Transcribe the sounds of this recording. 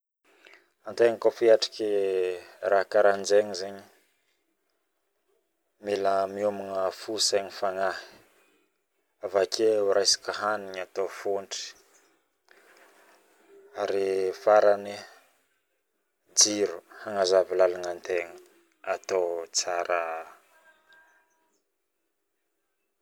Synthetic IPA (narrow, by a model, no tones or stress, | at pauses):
ant̪eŋəkofiaʈ͡ʂḁki | raɦkaɾand͡ʒeŋizeɲi | miləmiumiŋəfuseɲifaŋahi̥ | avakʰeuɾʔajsḁkəɦaniɲat̪ofoɳʈ͡ʂi̥ | aɾifaɾani | d͡ziɾuhaŋazavilalaŋant̪eŋə | at̪ot͡saɾʔa